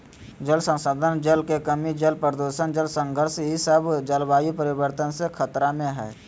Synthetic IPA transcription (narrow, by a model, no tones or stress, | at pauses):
d͡ʒəlsə̃nsaːd̪ʱənd͡ʒəlkekəmid͡ʒəlpəɾd̪oːʃənd͡ʒəlsə̃ŋɡʱəɾʃɦisəbd͡ʒəlbaːjupəɾɪbəɾt̪ənsekʰət̪ɾamẽɦɛː